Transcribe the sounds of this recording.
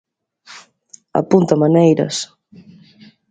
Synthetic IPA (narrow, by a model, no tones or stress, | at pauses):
a̰punt̪ɐmanejɾɐ̰s